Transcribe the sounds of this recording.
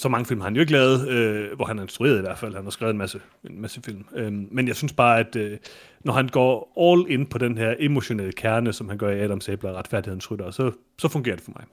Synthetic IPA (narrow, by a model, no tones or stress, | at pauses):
sɒ̽mɑ̈ŋəfilmhɑ̈hænjoe̝ɡ̥lɛːʊð̞̩ˠøʋɒhænæɐe̝nsd̥ʁue̝ːɐðˠiʋæɐ̰d̥fæl̰hænhɑ̈sɡ̥ʁɛːðˠenmæsə | e̝nmæsəfil̰mømːenjɑɪsynsb̥ɑ̈ːæd̥ø | nɒhænɡ̥ɒ̰ːɒːle̝npʰɒ̽d̥enɦeɐʔe̝mo̝ɕo̝neləkʰæɐnəsɒ̽mhænɡ̥ɶɐiɛdɒ̽msɛːb̥lɐʁɑ̈d̥fæɐ̰dihe̝n̩sʁyɾ̥ɐsɒ̽ | sɒ̽fɔ̽ŋɡe̝ːɐd̥e̝fɒ̽mɑ̈ɪ